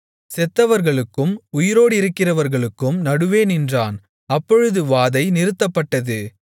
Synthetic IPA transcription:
sɛt̪ːɐʋɐɾɣɐɭɯkːɯmʊjɪɾoːɽɪɾɯkːɪrɐʋɐɾɣɐɭɯkːɯmnɐɽɯʋeːnɪndraːn | ɐpːɔɻɯðɯʋaːðɐɪnɪɾɯt̪ːɐpːɐʈːɐðɯ

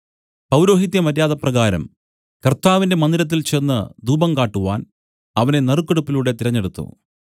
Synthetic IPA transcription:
pɐwɾo̞ːɦit̪̬jɐmɐɾjaːðɐprɐɣaːɾɐ̰m | kɐrt̪ːaːʋinde̞mɐnd̪ilɐt̪̬ːilt͡ɕeːnːɐd̪uːbɐmkaːʈːuʋaːn | ɐʋɐne̞nɐrukːeɽupːiluɽe̞t̪iɾɐɲːe̞ɽut̪ːṵ

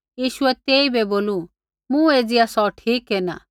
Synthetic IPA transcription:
jiːʃʊɛt̪eːibɛboːlu | mũeːd͡zɪjasɔʈʰiːkɦɛnaː

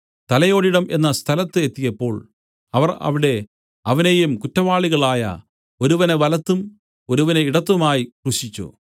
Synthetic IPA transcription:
t̪ɐlɐjo̞ːɽiɽɐmʔe̞̰nːɐst̪ʰɐlɐt̪ːɨet̪ːijɐpːo̞ːɭ | ɐʋɐrɐ̰ʋiɽe̞ | ɐʋɐnejumkutːɐʋaːɭiɣɐɭaːjɐ̰ | o̞ɾuʋɐneʋɐlɐt̪ːum | o̞ɾuʋɐneiɽɐt̪ːumaːjikruɕit͡ɕːṵ

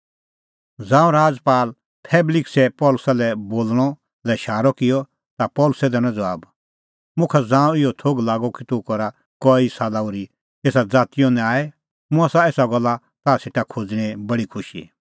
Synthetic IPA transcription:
d͡zãːũɾaːd͡zpaːl | pʰɛːblɪksɛpɔːlʊsalɛboːlɽ̃ɔ | lɛʃaːɾɔkɪjɔ | t̪apɔːlʊsɛd̪ɛɽ̃ɔ̃d͡zʋaːb | mʊ̃kʰad͡zãːũɪjɔt̪ʰoːɡlaːɡɔkit̪ʊ̃kɔɾa | kɔisalaʊɾi | eːsad͡zaːt̪ɪjɔ̃nɛ̃aːɛ | mʊ̃asaeːsaɡɔlːa | t̪aːseʈakʰod͡zɽ̃ɛ̃bɐɽikʰʊʃḭ

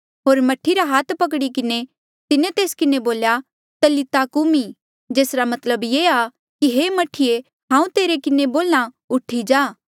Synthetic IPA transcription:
ɦoːɾmɐʈʰiɾaɦaːt̪ʰpɐk̬ɽikɪne | t̪ɪnẽt̪eːskɪneboːlja | t̪ɐlit̪aːkumĩ | d͡ʒeːsɾamɐt̪ləbjeːa | kiɦeːmɐʈʰːije | ɦãːũt̪eːɾekɪneboːlã | ʊʈʰːid͡ʒaː

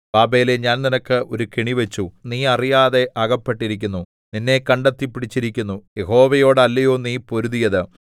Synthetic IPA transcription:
baːbeːleɲaːnninɐkːɨʔo̞ɾukiɳiʋet͡ɕːuniːɐrijaːðe̞ʔɐɣɐpːeʈːiɾikʲːunːu | ninːe̞kɐɳɖet̪ːipːiɽit͡ɕːiɾikʲːunːuje̞ɦo̞ːʋɐjo̞ːɽɨɐlːɐjo̞ːniːpo̞ɾuðijɐðɨ

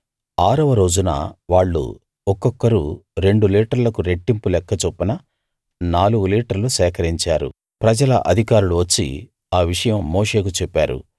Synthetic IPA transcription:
aːɾɐʋɐɾo̞ːd͡ʒunɐ̰ʋaːɭːṵ | ɔkːɔkːɐɾuɾe̞ɳɖuliːʈɐɾlɐkuɾe̞ʈːimpulɛkːɐt͡ʃopːɐnɐ | naːluɡuliːʈɐɾlusɛːkɐɾiɲt͡ʃaːɾṵ | pɾɐd͡ʒɐlɐʔɐd̪ʱikaːɾuluʋɐt͡ʃːḭ | aːʋiʂɐjɐmːoːʂe̞ːkut͡ʃɛpːa̰ːɾṵ

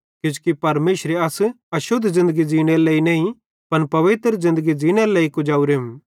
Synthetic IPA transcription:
kɪd͡ʒkipɐɾmeːʃɾeɐs | ɐʃʊd̪ʱːzɪ̃nd̪əɡid͡ʒiːɽ̃eɾleːinɛːĩ | pɐnpɐʋɪt̪ɾzɪ̃nd̪əɡid͡ʒiːɽ̃eɾleːikʊd͡ʒaːuɾem

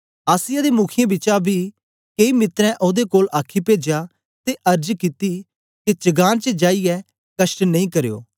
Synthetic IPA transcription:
aːsɪjad̪emʊkʰɪjẽbɪt͡ʃabʱi | keimɪt̪ɾɛ̃ʔoːd̪ekoːlaːkʰipeːd͡ʒa | t̪eʔɐɾd͡ʒkɪt̪i | ket͡ʃɐɡaːnt͡ʃəd͡ʒaːijɛ | kɐʃʈnɐ̃ĩkɐɾjo̰ː

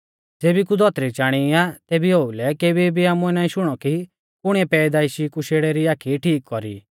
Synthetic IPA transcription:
d͡zeːbikud̪ʱɔt̪ɾit͡ʃaːɽ̃iat̪eːbioːulɛkeːbibiaːmũɛnaːĩʃʊɽ̃ɔki | pʊɽ̃iɛpɛːd̪aːiʃikuʃeːɽɛɾiaːkʰiʈʰiːkːɔɾḭː

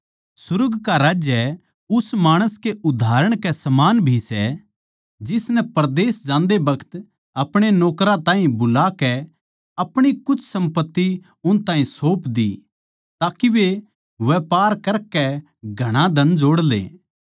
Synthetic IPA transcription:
sʊɾɡkaɾaːd͡ʒjɛ | ʊsmaːɽ̃əskeʊd̪ʱaːɾəɽ̃kɛsɐmaːnbʱisɛ̰ | d͡ʒɪsnɛpɐɾd̪eːsd͡ʒãːnd̪ebɐkʰə̥t̪ | ɐpɽ̃enɔːkɾãt̪ãːɦĩbʊlakɛ | ɐpɽ̃ikʊt͡ʃʰsɐ̃mpət̪ːi | ʊnt̪ãːɦĩsoːpd̪ḭ | t̪aːkiʋe | ʋɛpaːɾkɐɾkɛ | ɡʱɐɽ̃ãd̪ʱɐnd͡ʒoːɽlḛː

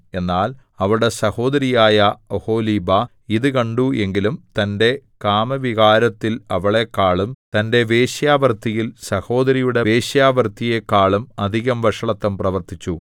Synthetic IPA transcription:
e̞nːaːl | ɐʋiɽe̞sɐho̞ːd̪ɐɾijaːjɐoho̞ːliːbɐ | iðɨkɐɳɖuʔe̞ŋɡilumt̪ɐnde̞kaːmɐʋiɣaːɾɐt̪ːilɐʋɐɭe̞kːaːɭumt̪ɐnde̞ʋe̞ːɕjaːʋɐrt̪ijilsɐho̞ːd̪ɐɾijuɽe̞ʋe̞ːɕjaːʋɐrt̪ije̞kːaːɭumɐd̪ʱiɣɐmʋɐʂɐɭɐt̪ːɐmprɐʋɐrt̪it͡ɕːu

